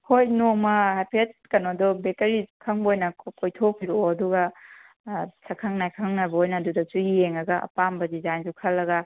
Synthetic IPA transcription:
hojnomɐhajpʰet̚kɐnodɔbektɐɾikʰɐŋbojnɐkojtʰokʰiɾooɐduɡɐ | sʰɐkʰɐŋnajkʰɐŋnajbɐojnɐːdudɐt͡ʃujijeŋɐɡɐʔɐ̰pambɐzizajnzukʰɐlːɐɡɐ

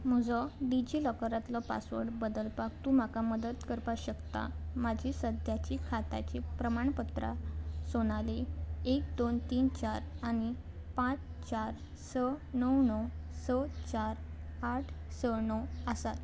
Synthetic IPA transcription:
m̤əd͡zɔɖid͡ʑiləkɾat̪lɔpa̰sʋə̰ɽbəd̪əlpakt̪um̤akaməd̪ət̪kəɾpaɕəkt̪a̰mad͡ʑʱisəd̪ʱjat͡ɕikʰat̪a̰t͡ɕipɾəmaɳpət̪ɾa̰soñaleek̚d̪ont̪iːnt͡ɕaɾañi | pãt͡st͡ɕaɾ | sənəwnɔwsət͡ɕaɾaʈʰsənəwəsat̪

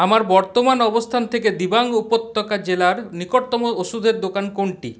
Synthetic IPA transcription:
amaɾbɔɾt̪omanɔbost̪ʰant̪ʰeked̪ibaŋupot̪ːɔkad͡ʑelaɾnikoɾt̪ɔmooʃud̪ʱeɾd̪okankoɳʈḭ

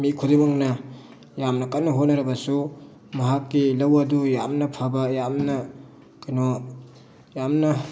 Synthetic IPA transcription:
mikʰudimaŋnɐ | jamnɐkɐt̚nɐɦot̚nɐɾɐbɐsu | mɐɦakːilɐwɐdujamnɐpʰabɐjamnɐ | kɐno | jamnɐ

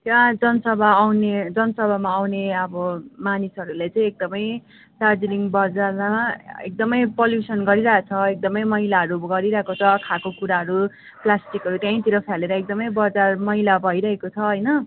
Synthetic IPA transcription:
t̪jad͡zʌnʌsʌbʱaːwned͡zʌnʌsʌbʱamaːwneʌbʌmanisʌɾulet͡sʌ̃ĩek̚d̪ʌmʌj | t͡sard͡ziniŋbʌd͡zaaḛk̚d̪ʌmʌjpoljusʌnɡʌɾiɾʌɦt͡sʰʌek̚d̪ʌmʌjmʌilaɦʌɾuɡʌɾiɾʌɦekot͡sʰʌkʰakokuɾaɦʌɾu | plasʈikɦʌɾut̪jãĩt̪iɾʌpʰjaleɾʌek̚d̪ʌmʌjbʌd͡zarmʌɦilabʱʌiɾʌɦekot͡sʰʌɦʌjnʌ

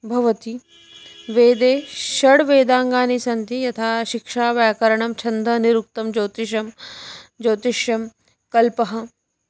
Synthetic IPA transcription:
bʱɐʋɐt̪i | ʋeːd̪eːʃɐɽʋeːd̪aːŋɡaːnisɐnt̪ijɐt̪ʰaːʃikʃaːʋɛːkɐɾɐɳɐmt͡ʃʰɐnd̪ʱɐniɾuk̚t̪ɐmd͡ʒoːt̪iʃ̬ɐmd͡ʒoːt̪iʃjɐm | kɐlpɐɦɐ̆

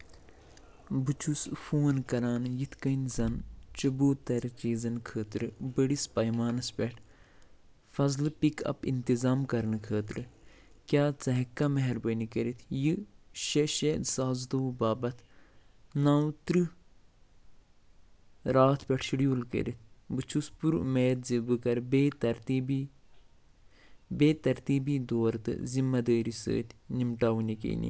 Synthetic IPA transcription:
bɨt͡ʃʰusfuːɐnkɐɾaːnjit̪ʰkɐnzɐnt͡ʃɐboːt̪ɐɾt͡ʃiːzɐnkʰəːt̪ɾɨbəɽispɐjmaːnɐspʲeʈʰ | fɐzlɨpikʰɐ̰pḭnt̪izaːmkɐɾnɨkʰəːt̪ɾɨ | kʲjaːt͡sɐɦɐkːamɐɦɛɾbənikəɾit̪ʰjɨʃeʃed̪saːzd̪ubaːbɐt̪ʰ | naːwt̪ɾɨ | ɾaːt̪ʰpʲeʈʰʃiɽiulkə̰ɾit̪̚ʰbɨt͡ʃʰuspuɾmeːt̪zibɨkɐɾbet̪ɐɾt̪ibi | beːt̪ɐɾt̪iːbid̪oːɾt̪ɨ̰zimːɐd̪əːɾisə̰ːt̪ʰnimʈaːʋnikḛːnḭ

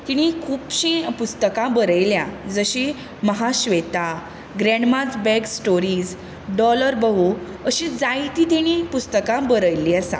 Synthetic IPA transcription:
t̪iɽ̃ikʰuːpɕĩpust̪əkãbəɾəjljãd͡zəɕi | məɦaɕʋet̪a | ɡɾɛ̃ɳɖmad͡zbɛɡsʈoɾiːd͡z | ɖɔləɾbəɦu | əɕid͡zajt̪it̪iɽ̃ipust̪əkãbəɾəjliəsã̰

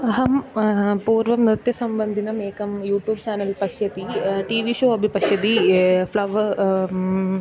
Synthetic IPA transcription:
ɐɦɐmpuːɾʋɐmnɾɨt̪jɐsɐmbɐnd̪ʱinɐmeːkɐmjuːʈjuːbt͡ɕaːnɐlpɐʃjɐt̪iʈiːʋiʃoːɐbʱipɐʂjɐt̪iflɐʋ

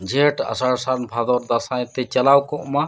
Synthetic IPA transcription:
d͡ʒʱeʈa̰saɽsaɾnbʱad̪ɔɾd̪asajt̪ɛt͡ʃalawkɔʔma

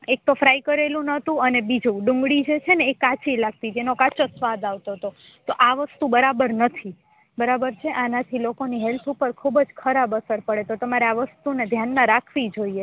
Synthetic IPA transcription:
ek̚t̪ofɾaikəɾelũnət̪ũənebid͡ʒũɖũŋɡɽid͡ʒet͡ʃʰeneːkãt͡ʃilaɡ̚t̪id͡ʒenokat͡ʃosʋad̪aʋt̪oɦt̪o | t̪oʔaʋəst̪ũbəɾabəɾnət̪ʰi | bəɾabəɾt͡ʃʰeʔanat̪ʰilokoniɦɛlt̪ʰupəɾkʰubd͡ʒkʰəɾabəsəɾpəɽet̪ot̪əmaɾeaʋəst̪uned̪ʱjanmãɾakʰʋid͡ʒoie

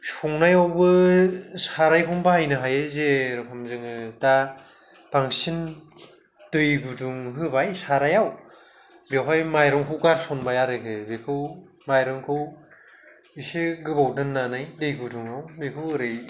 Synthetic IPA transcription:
sɔŋnajawbɯsaɾajpʰɔmbahajnɯɦajezeɾɯkʰɯmzɯŋɯda | b̥aŋsin | d̥ɯjɡuduŋɦɯbajsaɾajaw | bjawɦajmajɾɯŋkʰɯwɡaɾsɔnbajaɾɯkʰɯbekʰɯw | majɾɯŋkʰɯw | iseɡɯbawdɯnːanajdɯjɡuduŋawbekʰɯwɯɾɯj

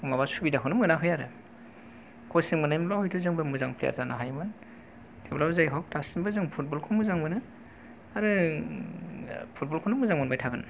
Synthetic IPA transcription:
mabasubidaɦʰɯwnɯmɯnaɦɯjaɾɯ | kʰɔsɯŋmɯnajmlɔhɯjtʰuzɯŋbɯmɯzaŋpʰlḛja̰zanaɦajmɯn | tʰeblawzajɦɔk̚tasimbɯzɯŋpʰut̚bɔlkʰɔmɯzaŋmɯnɯ | aɾɯ | pʰut̚bɔlkʰɔwnɯmɯzaŋmɯnbajtʰaɡɯn

